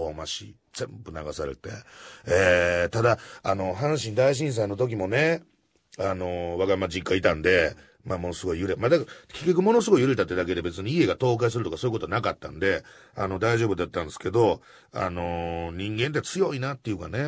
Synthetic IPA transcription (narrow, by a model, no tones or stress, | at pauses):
omaɕḭ | z̥ẽ̞mbɯ̟naɡasaɾe̞̰t̪e̞eːt̪ad̪aano̞ɦãɰ̃ɕ̬ĩnd̪aiɕ̬ĩɰ̃s̬aino̞t̪̬o̞k̬ʲimo̞ne̞ | ano̞βaɡamad͡ʑikːait̪ãnd̪e̞ | maːmo̞no̞sɨɡo̞ijɯ̟ɾemad̪akkʲekʲːokɯmo̞no̞sɨɡo̞ijɯɾet̪at̪ːed̪ak̬e̞d̪ebe̞t͡sɨɲ̟iie̞ɡat̪o̞ːkais̬ɨɾɯ̟t̪o̞kasojikot̪onakat̪ːã̰nd̪e̞a̰no̞d̪aiʑo̞ːbɯd̪eat̪ːãnd̪esɨ̥ke̞d̪o̞ | a̰no̞ɲ̟ĩŋɡẽ̞nt̪eat͡sɨjo̞inat̪ːejɯ̟kane̞